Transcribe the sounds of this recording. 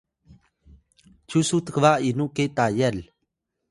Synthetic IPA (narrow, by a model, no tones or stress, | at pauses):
t͡ʃʰusut̪kʰʋainuket̪aːjɛl